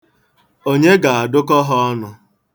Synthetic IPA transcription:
o˦ɲe˦ɡa˨a˨dʊ˦kɔ˦ɦɔ˦ɔ˦nʊ˨

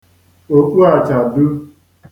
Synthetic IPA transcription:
o˨ku˦a˨t͡ʃa˨du˦

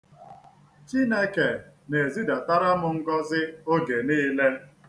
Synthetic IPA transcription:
t͡ʃi˦ne˦ke˨ne˨e˨zi˦da˨ta˦ɾa˦mʊ˨ŋ̩˦ɡɔ˦zɪ˦o˦ɡe˨niː˦le˦

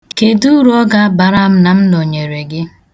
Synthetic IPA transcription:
ke˨du˦ɾɔ˦ɡa˦a˦ba˨ɾa˦m̩˦na˨m̩˦no˨ɲe˨ɾe˨ɡɪ˦

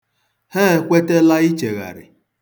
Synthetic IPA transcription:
he˦kʷe˦te˦la˦i˦t͡ʃe˨ɣa̰˨ɾɪ̰˨

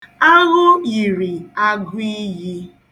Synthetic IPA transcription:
a˦ɦʊ˦i˨ɾi˨a˦ɡʊ˦i˦ji˦

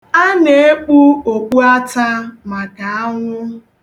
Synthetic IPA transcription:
a˦ne˨e˦k͡pu˦o˨k͡pu˦a˦ta˦ma˨ka˨a˦ŋʷʊ˦

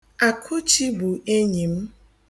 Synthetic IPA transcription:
a˨kʰʊ˦t͡ʃi˦bu˨e˦ɲi˨m̩˦

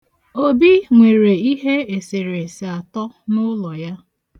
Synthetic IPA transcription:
o˦bi˦ŋʷe˨ɾe˨i˦ɦe˦e˨se˨ɾe˨se˨a˨tɔ˦nʊ˦lɔ˨ja˦

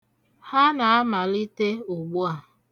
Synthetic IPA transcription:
ha˦na˨a˦ma˨li˦te˦o˨ɡ͡bu˦a˨

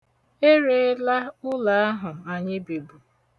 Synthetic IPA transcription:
e˦ɾe˦la˦ʊ˦la˨a˦ɦʊ˨a˨ɲɪ˦bi˨bu˨

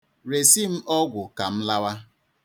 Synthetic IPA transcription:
ɾe˨si˦m̩˦ɔ˦ɡʷʊ˨ka˨m̩˦la˦wa˦

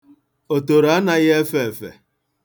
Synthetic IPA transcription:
o˨to˨ɾa˨˦na˦ɣe˦fe˦e˨fḛ˨

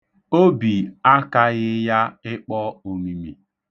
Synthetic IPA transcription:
o˦bi˨a˦ka˦ɣɪ˦ja˦ɪ˦k͡pɔ˦o˨mi˦mi˨

